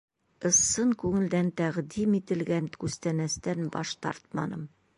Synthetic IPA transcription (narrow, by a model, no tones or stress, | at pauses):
ɤ̆sːɤŋkʉŋɘ̆ld̪ænt̪æʁd̪imit̪ɘ̆lɡænkʉst̪ænæst̪ænbɒ̰ʃt̪ɑ̰ɾt̪̚mɑ̰nɤm